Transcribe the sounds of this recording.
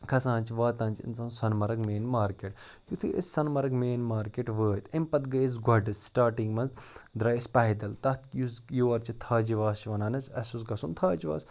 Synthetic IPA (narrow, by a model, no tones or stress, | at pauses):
kʰɐsãːnt͡ʃʰʋaːt̪ãːnt͡ʃɪ̰nsãːnsɐnmɐɾɐɡmeːnmaːɾkeʈ | jut̪ʰḭʔessɐnmɐɾɐɡmeːnmaːɾkeʈʋəːt̪impɐt̪ɡɐiz̬ɡʱɐɖɨssʈaːɾʈiŋɡmɐnzd̪ɾɐːispɐɦid̪ɐlt̪ɐt̪ʰjuzjuːɐɾt͡ʃʰit̪ʰaːd͡ʒiʋaːst͡ʃʰiʋɐnaːnɐsɐsusɡɐsunt̪ʰaːd͡ʒiʋa̰ːs